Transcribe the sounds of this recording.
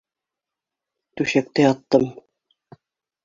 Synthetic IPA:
t̪ʉɕæk̚t̪ɘjɑt̪ːɤm

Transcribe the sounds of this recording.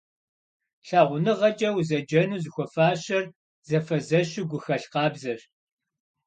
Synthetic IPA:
ɬaːʁʷʊnɨʁɐt͡ʃʼɐwzɐd͡ʒɐnuːzɨxʷɔfaːɕɐr | zɐfɐzɐɕɪɡʷʊxɐɬqɑːbzɐɕ

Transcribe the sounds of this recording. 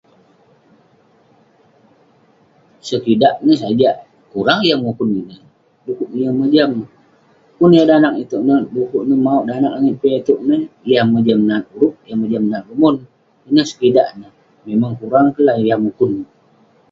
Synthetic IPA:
səkidaʔnəsad͡ʒa | kuɾaŋjaŋmukʊninə | dukuʔnəjaməd͡ʒam | kunijadanak̚it̪uʔnədukuʔnəmauʔdanak̚aŋiʔ̪̚pet̪uʔnəjahməd͡ʒamnat̪̚uɾʊp̚jaməd͡ʒamnat̪̚lumun | inəhsə̥kida̰ʔnə | memaŋkuɾaŋkəlajamukʊn

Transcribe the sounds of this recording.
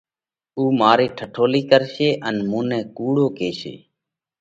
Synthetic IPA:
uːmaːɾiːʈʰəʈʰoːliːkəɾʃeːʔənmũːnɛ̃ːkuːɽoːkeːʃḛː

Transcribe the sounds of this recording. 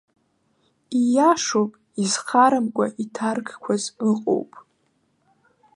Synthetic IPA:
ijaʂowpʼ | izχaɾamkʷʼaʔitʰarɡʰkʷʰazɨqʼo̰wpʼ

